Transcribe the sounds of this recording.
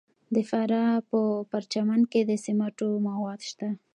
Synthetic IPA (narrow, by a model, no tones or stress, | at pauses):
d̪əfaɾɑpəpaɾt͡ʃamanked̪əsɪmaʈomawɑd̪ʃt̪a